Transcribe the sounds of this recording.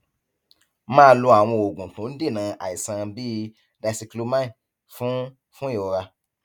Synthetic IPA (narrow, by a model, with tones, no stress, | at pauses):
mãː˦˧˦lu˧a˨w̃ɔ̃˧o˨ɡũ˨tũ˨˦n̩˦de˦˨nã˨˦ʔa̰˨i˨sã˧bi˦ | da˧si˧klu˦mã˦ĩ˨ | fũ˦ | fũ˦e˦˨o˧ɾa˧